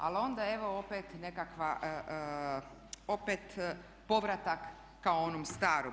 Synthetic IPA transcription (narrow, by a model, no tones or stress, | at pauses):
a̰lo̞nd̪ae̞ʋo̞opet̪ne̞kakʋaʔ | opet̪ | po̞ʋɾat̪akː | aoonomst̪aːɾo